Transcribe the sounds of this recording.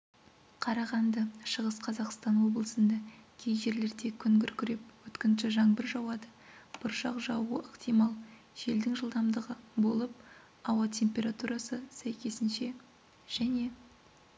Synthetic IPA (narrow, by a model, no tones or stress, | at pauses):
qʰɑɾɑʁɑnd̪əʃəʁəsqʰɑzɑqst̪ɑnwo̞blˠəsənd̪ɑkʲʰejʒe̞ɾle̞ɾd̪e̞kʲʰʏŋɡʲɪɾkʲʰʏɾe̞p̚wɵt̪kʲɪnʃɪʒɑɴbəɾʒɑwɑd̪əb̥ʊɾʃɑqʒɑwuəʔəqt̪ʰijmɑlˠ | ʒ̥e̞ld̪ɪŋʒəlˠd̪ɑmd̪əʁəbo̞lˠəp̚ | ɑwɑt̪ʲʰe̞mpʲe̞ɾat̪uɾɑsəsæjkʲe̞sɪnʃe̞ | ʒ̥æne̞